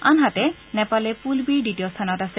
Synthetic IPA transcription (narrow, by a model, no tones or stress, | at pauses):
anɦatɛ | nɛpalɛpulbiɹɖitijɔstʰanɔtasɛ